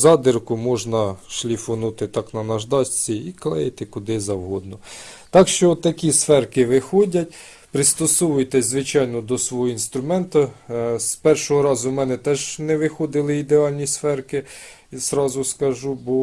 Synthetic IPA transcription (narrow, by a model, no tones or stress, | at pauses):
zɑd̪ɪrkʊmɔʒnɐʃlʲifɔnut̪ɪt̪ɑknɐnɐʒd̪ɑsʲt͡sʲiiklˠɛjet̪ɪkʊd̪ɪzɐwɦɔd̪nɔt̪ɑkʃt͡ʃɔt̪ːɐkʲisfɛrkɪʋɪxɔdʲɐtʲ | pɾɪst̪ɔsɔʋʊjt̪ɛzʋɪt͡ʃɑjnɔd̪ɔsʋɔɦɔinst̪ɾʊmɛnt̪ɐspɛrʃɔɦɔɾɑzʊmɛnɛt̪ɛʒnɛʋɪxɔd̪ɪlˠɪid̪eɑlʲnʲisfɛrkɪ | z̥ɾɑzʊskɐʒubɔ